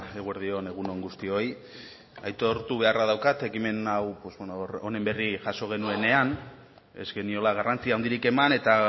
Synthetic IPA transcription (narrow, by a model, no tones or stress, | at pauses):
eɣueɾðio̞ne̞ɣ̞uno̞ŋɡust̪io̞j | ajt̪o̞ɾt̪uβe̞araðawkat̪e̞kime̞nawpwozβonoɾone̞mbe̞riʝaso̞ɣ̞e̞nue̞ne̞an | e̞̰zɡe̞nio̞laɣ̞arʔant͡siaond̪iɾike̞mane̞t̪a